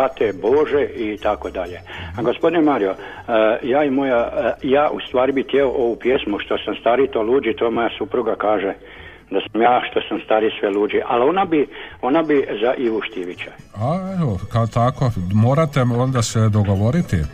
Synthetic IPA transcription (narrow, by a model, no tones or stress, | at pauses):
at̪ebo̞ʒeʔit̪ako̞d̪aʎeɡo̞spo̞d̪inemaːɾio̞ | jaːimojajaːʔust̪ʋaːɾibit̪jeoʔo̞ʋupjesmuʃt̪o̞samst̪aːɾit̪oluːd͡ʒit̪ojemo̞jasupɾuɡakaːʒe | d̪asamjaːʃt̪o̞samst̪aːɾisʋeluːd͡ʒiʔa̰lo̞nabio̞nabizaʔiʋuʃt̪iʋit͡ɕaaeʋokat̪akomoːɾat̪eond̪ased̪oɡoʋoɾit̪i